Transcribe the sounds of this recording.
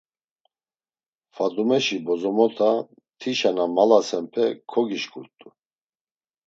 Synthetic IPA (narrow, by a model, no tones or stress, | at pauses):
fad̪umɛʃibɔzɔmɔt̪ʰa | t̪ʰiʃanamalasɛmpʰɛkʰɔɡiʃkʰʼuɾt̪ʼu